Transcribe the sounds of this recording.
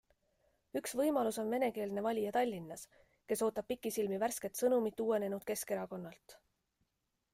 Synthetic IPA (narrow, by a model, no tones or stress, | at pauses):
yksvɤjmɑluso̞nme̞ne̞ke̞ːld̪ne̞vɑlʲijɑt̪ɑlʲːinːɑs | ke̞so̞ːt̪ːˑɑb̥̚pikːˑisilmiværske̞t̪sɤnumit̪ːuwe̞ne̞nud̪̥̚ke̞ske̞ɾɑko̞nːɑlt̪